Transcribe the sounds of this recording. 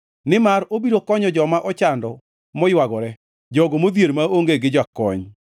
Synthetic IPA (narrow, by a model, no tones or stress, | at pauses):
nɪmaɾobiɾokɔɲɔd͡ʒɔmaʔɔt͡ʃandɔ | mɔjwaɡɔɾɛ | d͡ʒɔɡomod̪jeɾmaoŋɡeɡɪd͡ʒakɔɲ